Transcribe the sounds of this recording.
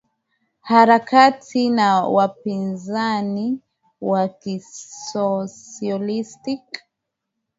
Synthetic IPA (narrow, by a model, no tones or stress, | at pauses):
haɾakatʰinawapinzani | wakisɔsiɔlistik